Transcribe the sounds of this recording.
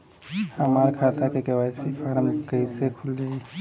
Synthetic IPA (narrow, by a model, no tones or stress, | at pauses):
həmaɾkʰat̪akekəwajsepʰaɾəmkəisekʰuld͡ʒaːi